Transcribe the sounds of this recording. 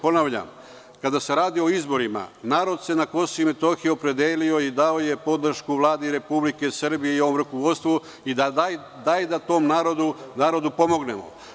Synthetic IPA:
po̞naʋʎa̰m | kad̪ase̞ɾaːd̪io̞izbo̞ɾima̰naːɾo̞d̪se̞nako̞soime̞t̪o̞xijopɾe̞d̪eːlio̞id̪aoje̞po̞d̪r̩ʃkuʋlˠaːd̪iɾe̞publike̞srbijeio̞ʋo̞mɾukoʋo̞dt̪st̪ʋu | id̪a | d̪ajd̪at̪o̞mnaːɾo̞d̪unaːɾo̞d̪upo̞mo̞ɡne̞mo̞̰

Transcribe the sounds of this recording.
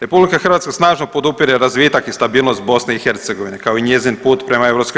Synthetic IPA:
ɾe̞publikaxr̩ʋat̪skasnaːʒnopo̞d̪upiɾeɾazʋiːt̪akist̪abiːlˠnost̪̚bo̞sneixe̞ɾt̪seɡo̞ʋine̞kaoiɲe̞zinpuːt̪pɾe̞maeʋɾopsk

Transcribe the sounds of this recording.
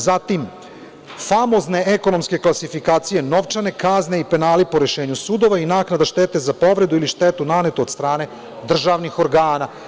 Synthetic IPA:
zat̪im | famo̞zne̞eko̞no̞mske̞klasifikaːt̪sije̞no̞ʋt͡ʃane̞kazne̞ipe̞naːlipo̞ɾe̞ʃeːɲusud̪o̞ʋainaːknad̪aʃt̪e̞ːt̪e̞zapo̞ʋɾe̞d̪uiliʃt̪et̪unane̞t̪oːd̪st̪ɾaːne̞ | d̪r̩ʒaʋnixo̞ɾɡaːna

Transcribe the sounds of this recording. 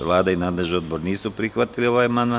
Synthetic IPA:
ʋlˠaːd̪ainaːd̪leʒio̞d̪bo̞ɾniːsupɾixʋat̪ilio̞ʋaːjmand̪a

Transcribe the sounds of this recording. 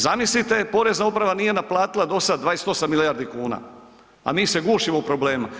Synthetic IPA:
zamislit̪e̞po̞ɾe̞znaupɾaʋanije̞naplˠaːt̪ilad̪o̞sad̪ʋaːest̪o̞samːilijaɾd̪ikuːna̰ | a̰miːse̞ɡuːʃimoupɾoble̞ːma

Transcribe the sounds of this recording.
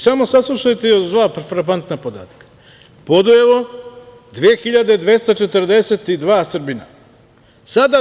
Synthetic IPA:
samosaslˠuʃajt̪eod̪ʋaːpɾfɾap̬ant̪napo̞d̪a̰ːt̪ḁkḁ | pod̪ujeʋo̞ | d̪ʋiexiʎad̪ed̪ʋe̞st̪at͡ʃet̪ɾd̪eset̪id̪ʋaːsr̩bina̰ | sad̪a

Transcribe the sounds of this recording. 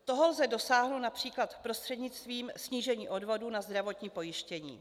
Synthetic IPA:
t̪o̞ɦo̞lzɛdo̞saːɦnownapr̝̥iːklat̪pɾo̞st̪r̥ɛdɲɪt͡st̪viːmsɲiːʒɛɲiːʔo̞dvo̞duːnazd̪ɾavo̞t̪ɲiːpo̞jɪʃcɛɲḭː

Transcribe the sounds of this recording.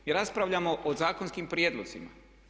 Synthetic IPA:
iɾaspɾaʋʎamoʔozaːkonskimpɾjeːd̪lozḭma̰

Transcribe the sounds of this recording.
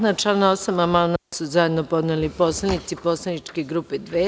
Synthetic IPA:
nat͡ʃlanaosamamalnasuzajed̪no̞po̞d̪nelipo̞ːslˠanit̪sipo̞ːslˠanit͡ʃke̞ɡɾuped̪ʋeː

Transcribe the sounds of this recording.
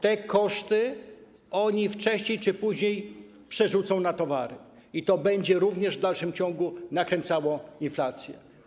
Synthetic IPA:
t̪ɛkɔʂt̪ɘ | ɔɲift͡ʂɛɕɲejt͡ʂɘpuʑɲej | pʂɛʐut̪sɔ̃w̃nat̪ɔvaɾɘ | it̪ɔbɛɲd͡ʑɛɾuvɲɛʐvd̪alʂɘmt͡ɕɔ̃ŋɡunakɾɛnt̪sawɔ̃inflat̪sʲjɛ̰

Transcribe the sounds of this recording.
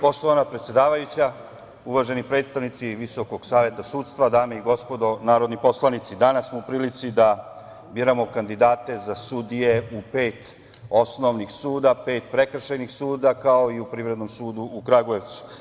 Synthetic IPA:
po̞ʃt̪oʋanapɾe̞t̪sjed̪aːʋajut͡ɕa | uʋaːʒe̞nipɾet̪st̪aʋnit̪siʋiso̞ko̞ɡ̥saːʋje̞t̪asuːt̪st̪ʋad̪aːmeiɡo̞spo̞d̪o̞naːɾo̞d̪nipo̞slˠanit̪sid̪anasːmoupɾiːlit̪sid̪a | biɾamo̞kand̪id̪aːt̪e̞zasud̪ije̞upe̞ːt̪ | osno̞ʋnixsuːd̪ape̞ːt̪pɾe̞kr̩ʃajnixsuːd̪akao̞iupɾiːʋɾe̞d̪no̞msuːd̪uʔːkɾaɡoe̞ʋt̪su̥

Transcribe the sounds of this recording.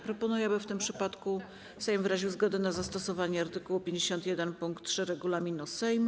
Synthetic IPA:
pɾɔpɔnujɛbɘft̪ɘmpʂɘpat̪ku | sɛjmvɾaʑiwzɡɔd̪ɛnazast̪ɔsɔvaɲɛaɾt̪ɘkuwupʲjeɲd͡ʑeɕɔnt̪jɛd̪ɛnpuŋkt̪̚ːtʂɘɾɛɡulamʲinusɛjm

